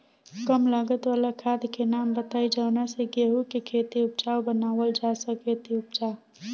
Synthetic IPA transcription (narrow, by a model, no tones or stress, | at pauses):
kəmlaɡət̪waːlakʰad̪kenaːmbət̪aːid͡ʒənaseɡeɦukekʰeːt̪iʊp̚t͡ʃaːwbənaːʋəld͡ʒasəket̪iʊpt͡ʃa